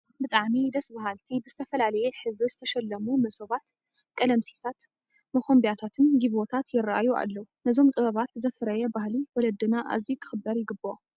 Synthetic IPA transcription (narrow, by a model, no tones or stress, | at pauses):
bɨt̪ʼaʕmid̪ɐsbaɦalt̪ʰibɨzɨt̪ʰɐfɐlalɐjɛħɨβɾuzɨt̪ʰɐʃɛlːɐmumɐsoβat̪ | kʼɐlɐmsi̥t̪ʰat̪ | mɐxʰombjat̪ʰat̪ʰɨnɡiβot̪ʰat̪jɪɾaa̰jua̰lːɐwunɐzo̞mt̪ʼɨβɐβat̪zɐfɨɾɐjɛbahliwɔlɐd̪ːɨnaʔa̰zikʰɨ̥xɨbːɐɾjɪɡɨbo